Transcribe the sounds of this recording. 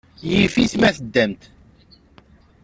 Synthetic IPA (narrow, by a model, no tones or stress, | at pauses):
jifiθmæθəd̪ːæmt̪